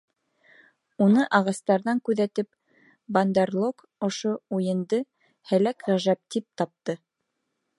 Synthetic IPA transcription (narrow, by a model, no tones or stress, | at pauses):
unɤʔɑʁɑst̪ɑɾðɑŋkʉðæt̪ɘp | bɐnd̪eɾlˠok | ŏʃoujɤ̆nd̪ɤ | hælækʁæʒæp̚t̪ip̚t̪ɑp̚t̪ɤ